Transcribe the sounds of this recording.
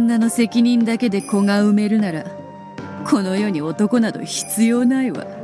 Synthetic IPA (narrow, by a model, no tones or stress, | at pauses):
nːano̞se̞kʲiɲ̟ĩnd̪ake̞d̪e̞ko̞ŋaɯ̟me̞ɾɯ̟naɾa | kʰo̞no̞jo̞ːɲ̟io̞t̪o̞ko̞nad̪o̞̰çi̥t͡sɨjo̞ːnaiβa̰